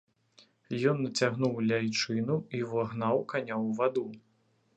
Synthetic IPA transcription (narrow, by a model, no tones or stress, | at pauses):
jɔnːɐt͡sʲaɣn̪uwlʲajt͡ʂɨnuivaɣnawkanʲawvad̪u